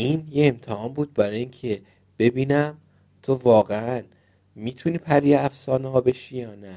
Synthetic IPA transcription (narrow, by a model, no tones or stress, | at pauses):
iːnjeemt̪ʰehɒːmbuːd̪̚bæɾɒːjiːŋcʰe̞ | b̥e̞biːnæm | t̪ʰovɒːɣeæn | miːt̪ʰuniːpʰæɾieæfsɒːneɦɒːbe̞ʃiːjɒːnæ